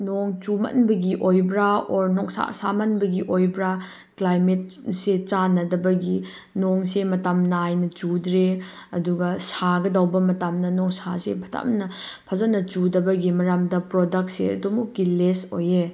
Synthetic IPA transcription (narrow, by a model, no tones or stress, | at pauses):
nɔŋt͡ʃumɐ̰nbɐɡiʔojbɾaɔɾnɔŋsa̰samɐnbɐɡiʔojbɾa | klajmet̚set͡ʃanɐdɐbɐɡi | nɔŋsemɐtamnɐajnɐt͡ʃudɾeɐduɡɐsaɡɐdawbɐmɐtamnɐnɔŋsasḛpʰɐta̰mnɐpʰazanɐt͡ʃudɐbɐɡimɐɾamdɐpɾɔdɐk̚t̚sḛɐ̰dumuk̚ɡilesoje